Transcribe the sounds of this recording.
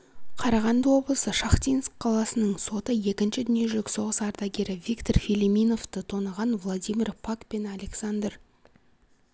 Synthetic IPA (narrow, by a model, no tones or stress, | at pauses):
qʰɑɾɑʁɑnd̪əwo̞blˠəsəʃɑχt̪ʲijnskʰːɑlˠɑsənəɴso̞t̪əje̞kʲɪnʃɪd̪ʏnije̞ʒɪlʲɪkso̞ʁəsɑɾd̪ɑɡʲe̞ɾɪvʲijkt̪o̞rfʲilʲimijno̞ft̪ət̪ʰo̞nəʁɑnvlˠad̪ʲijmʲirpʰakpe̞nalʲe̞ksand̪r